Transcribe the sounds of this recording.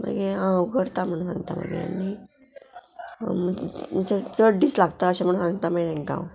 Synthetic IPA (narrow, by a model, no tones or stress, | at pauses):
ma̰ɡeãwkəɾt̪am̤əɽũnsã̰ŋɡt̪a̰ma̰ɡḛa̰ni | mmit͡ɕat͡səɽɖiːt͡slaɡt̪aəɕam̤əũnsãŋɡt̪amat̪ẽŋka̰w